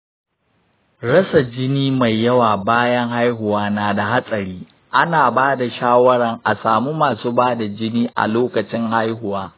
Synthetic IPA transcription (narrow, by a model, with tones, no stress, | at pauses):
ɽɐ˦sa˨d͡ʒɪ˦niː˦ma˨jːɐ˦waː˨baː˦jɐ˦ŋɦa˦jɦʊ˨waː˦naː˨da˨ɦa˦sʼɐ˨ɽiː˦ | ʔa˦naː˨baː˦da˨ʃaː˦wɐ˦ɽɐ˨ŋʔa˨saː˨mu˦maː˨suː˦baː˦da˨d͡ʒɪ˦niː˦ʔa̰˨loː˦kɐ˨t͡ʃɪ˦ŋha˦jɦʊ˨waː˦